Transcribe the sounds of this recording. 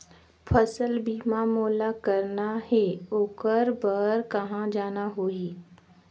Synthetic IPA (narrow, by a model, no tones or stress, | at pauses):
pʰəsəlbiːmamoːlakəɾnahɛoːkəɾbəɾkɐɦãd͡ʒaːnaɦoːiː